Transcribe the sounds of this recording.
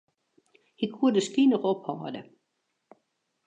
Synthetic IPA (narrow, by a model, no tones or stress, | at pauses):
hikʰuədəskinɔxɔphɔːdə